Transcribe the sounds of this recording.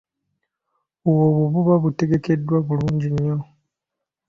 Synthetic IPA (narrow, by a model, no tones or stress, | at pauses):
uwoβuβuβaβute̞ɡe̞ke̞dːwaβuluːɲɟiɲːo̞